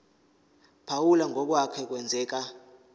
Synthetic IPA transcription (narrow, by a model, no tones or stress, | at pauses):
pʰawulaŋʱɔk̬wakʰɛk̬wɛnd͡zʱɛːk̬a